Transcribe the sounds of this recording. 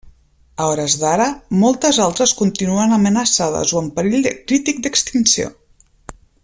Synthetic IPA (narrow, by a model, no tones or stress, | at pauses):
əɔɾəzðaɾəmɔlˠt̪əzalˠt̪ɾəskunt̪inuənəmənəsað̞ə̰zoəmpəɾiʎd̪əkɾit̪ik̚d̪əkst̪insio̰